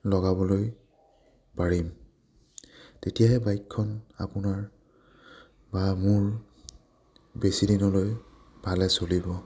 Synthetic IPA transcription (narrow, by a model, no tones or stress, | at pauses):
lɔɡabɔloj | paɹim | tetijaɦɛbajkʰːɔna̰pʊnaɹ | bamʊɹ | besidinɔloj | bʱalɛsolibɔ